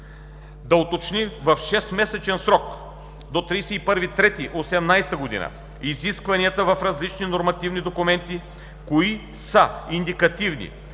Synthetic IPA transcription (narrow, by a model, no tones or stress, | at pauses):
d̪ɐot̪ot͡ʃnivɐfʃɛst̪mɛsɛt͡ʃɛnsɾɔk | d̪ot̪ɾijsɛipɤɾvit̪ɾɛt̪iʔosɛmnajst̪ɐɡod̪ḭnə̰ | iziskvɐniət̪əvɐfɾɐzlit͡ʃninoɾmɐt̪ivnid̪okumɛnt̪i | koi | sɐind̪ikɐt̪ivnḭ